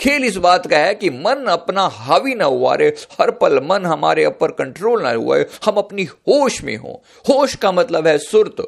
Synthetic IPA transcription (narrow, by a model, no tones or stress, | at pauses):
kʰeːlɪs̬baːt̪kaɦɛkimɐnɐpnaɦaːʋinɐɦʊʋa̰ːɾehɐɾpɐlmɐnɦɐma̰ːɾeɐpəɾkɐ̃ɳʈɾoːlnɐ̰ɦṵḛhɐmɐpnihoːʃmḛ̃ɦõ̰ː | hoːʃkamɐt̪ləbɦɛsʊɾt̪